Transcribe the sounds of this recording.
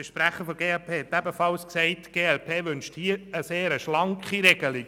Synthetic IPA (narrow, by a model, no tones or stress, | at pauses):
fəʃpɾæχəfɔɡeːɛlpʰeːhɛt̪ːæbəfɑlsksɛɪtɡ̥eːɛlpʰeːʋʏnʃthiːəəseːɾəʃlɑŋkχiɾɛɡ̥əli